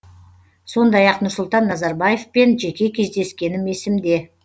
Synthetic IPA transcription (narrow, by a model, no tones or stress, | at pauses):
so̞nd̪ɑjɑqnʊɾsʊlˠt̪ɑnːɑzɑɾbaje̞fpe̞nʒe̞kʲe̞kʲʰe̞zd̪e̞skʲe̞nɪme̞sɪmd̪e̞